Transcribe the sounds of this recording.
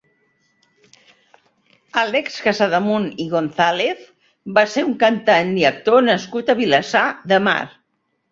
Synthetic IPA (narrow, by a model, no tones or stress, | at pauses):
alɛkskazaðəmuniɣonθaleθ | baseɾuŋkənt̪and̪iək̚t̪onəskut̪əβiləsaðəma̰ɾ